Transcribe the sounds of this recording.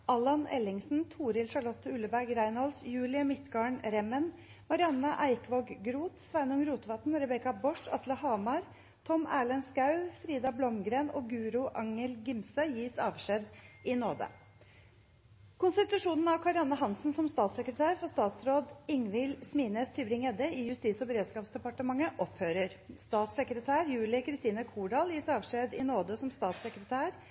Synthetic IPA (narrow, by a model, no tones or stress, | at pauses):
ɑlɑnɛ̰lɪŋsn̩t̪ʰuːɾɪlʂɑɭɔt̪ːəʉləbæɾɡɾæɪnhɔlsjʉːlɪəmɪt̪ɡɑːɳɾɛmən | mɑɾɪɑnːɑʔæɪkʋoɡɡɾuːt̪sʋæɪnʊŋɾuːt̪ʋɑt̪nɾɛbɛkɑbɔʂɑ̰t̪ləhɑːmɑɾ | t̪ʰɔmæːɭənskɑʉfɾiːd̪ɑblɔmɡɾeːno̰ːɡʉːɾʊʔɑŋəlɡɪmsəjiːsɑ̰ːʋʂɛd̪ɪnoːd̪ə̰ | kʰʊnsət̪ɾɑʂuːnən̩ɑʋkʰɑɾɪɑnəɦɑnsn̩sɔmst̪ɑːt̪səkɾət̪ʰæːɾfɔst̪ɑːt̪sɾoːd̪ɪŋʋɪlsmiːneːst̪ʰyːbɾɪŋɛd̪əɪjʉst̪iːsɔbəɾeːd̪skɑːpsd̪ɛpɑʈəmɑŋːəʔɔphøːɾəɾst̪ɑːt̪səkɾət̪ʰæːɾjʉːlɪkʰɾɪst̪iːnəkʰuːɖɑːljiːsɑːʋʂeːd̪ɪnoːd̪əsɔmst̪ɑːt̪səkɾət̪ʰæːɾ